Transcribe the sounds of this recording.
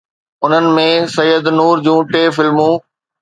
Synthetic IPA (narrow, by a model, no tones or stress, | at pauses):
ʊn̤ənɪ̆mẽsɐjːəd̪nuːɾd͡ʑũːʈeːfɪlmũː